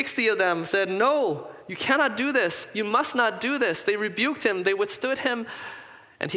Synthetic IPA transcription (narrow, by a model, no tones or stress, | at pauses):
ɪkstiʌvðə̃msɛdⁿnoʊjɨkʰæñɑt̚d̥ɨðɪsjɨmʌsⁿnət̚d̥ɨðɪsðeɪɹɨbjʉk̚t̚hɨ̃mðeɪwɨθstʊd̚ɪ̃m | ʔɨ̰̃n